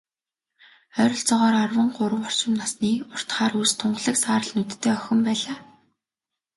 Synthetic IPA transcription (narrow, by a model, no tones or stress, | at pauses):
œɾɞ̆ɬt͡sɔʁɔːɾarwə̆ɴɢʊɾə̆wɔr̥t͡ɕɪ̆mnasniːʊr̥t̪χaːɾuːst̪ʰːʊɴɢ̆ɮə̆ksaːɾə̆ɮnut̪ʰːeːœxʲɪ̆mpæːɮaː